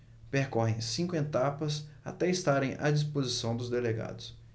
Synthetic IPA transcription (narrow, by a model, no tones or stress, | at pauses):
peɾkɔɦẽj̃sĩkʊẽt̪apɐsa̰t̪ɛist̪aɾẽj̃ʔɐd͡ʒis̬pozisɐ̃w̃d̪ʊzd̪eleɡa̰d̪ʊs